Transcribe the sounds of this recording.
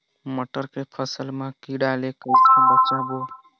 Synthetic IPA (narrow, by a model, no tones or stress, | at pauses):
məʈːəɾkepʰəsəlmẽkiɽalekəɪsənbət͡ʃãbo